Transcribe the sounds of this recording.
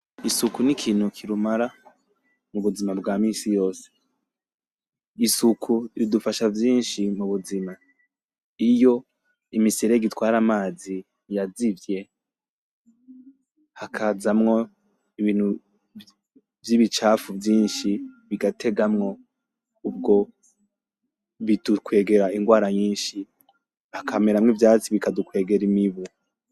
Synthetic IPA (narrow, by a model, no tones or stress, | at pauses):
isukunikʰiːn̥hukʰiɾumaɾa | muβuzimabɡaːmiːsijo̞ːse̥ | isukʰuɾidufaʃavjiːnʃimuβuzima | ijo̞ | imisiɾeɡitwaːɾamaːzi | jazivje̞ | hakʰazamŋo̞ | iβiːn̥hu | vjiβit͡ʃaːfuvjiːnʃiβiɡatʰe̞ɡamŋo̞ | ub̚ɡo̞ | βidukwe̞ːɡe̞ɾaiŋɡwaːɾaɲiːnʃi | hakʰameɾamŋivjaːt͡siβikadukwe̞ːɡe̞ɾimiβu